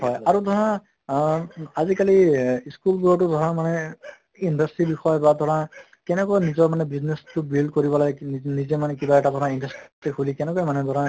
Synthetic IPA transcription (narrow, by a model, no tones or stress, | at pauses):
ɦɔjaɹud̪ʱɔɹã | azikaliiskulɡuɔtʊdʱɔɹãmanɛ | indʱastɹibixɔjbad̪ʱɔɹã | kɛnɛkɔjnizɔɹmanɛbiznestʊbild̚koɹibɔlajnizemanɛkibaɛʈad̪ʱɔɹãindasttexʰulikɛnɛkɔjmanɛd̪ʱɔɹã